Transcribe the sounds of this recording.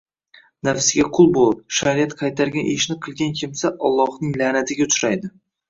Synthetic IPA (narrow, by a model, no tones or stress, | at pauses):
nafsɪɡʲaqʰʊlˠbolˠɪp̚ʃaɾɪjat̪qʰɑjt̪ʰaɾɡʲanʔeʃnɪqʰɨlˠɡʲankʲʰɪmsaʔɒlˠːɒhnɪŋlanat̪ʰɪɡʲat̪ʰʊ̥ɾajd̪ɪ